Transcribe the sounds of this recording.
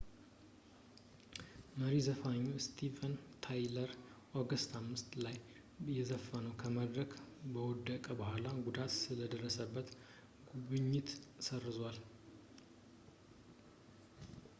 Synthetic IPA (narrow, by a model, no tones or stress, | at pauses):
məɾizəfaɲːust̪ʰivənt̪ʰajləɾʔoɡəst̪ʰamːɨst̪laj | jɛzəfːənəwkʰəməd̪ɾəkbəwɔd̪ːəkʼəbəhʷalaɡud̪at̪sɨləd̪ərːəsəbːət̪ | ɡuβɨɲːɪt̪sərːɨzwal